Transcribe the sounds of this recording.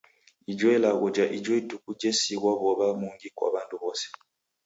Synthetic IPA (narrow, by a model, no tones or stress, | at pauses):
id͡ʒwelaɣod͡ʒaʔid͡ʒwoidukuɟesiɣwaβoβamuːŋɡikwa̰ːβaːnduβosi̥